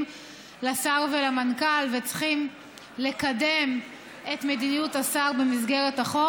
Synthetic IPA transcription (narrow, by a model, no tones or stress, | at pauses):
lasaʁvelamankalvet͡sχim | le̞kadem | e̞tmedinijutasaʁbe̞mizɡeʁetaχo